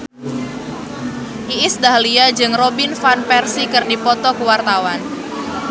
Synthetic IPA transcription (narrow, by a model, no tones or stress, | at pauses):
ʔiʔɪsdaɦliad͡ʒɨŋrobɪnfanpɛrsikɨrdipɔt̪ɔkəwart̪awan